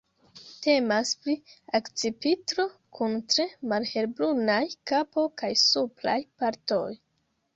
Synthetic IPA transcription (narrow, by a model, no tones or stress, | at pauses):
te̞maspɾiakt͡sipitɾo̞kʰuntɾe̞malhe̞ɾbɾunajkapo̞kajsupla̰jpaɾto̞̰j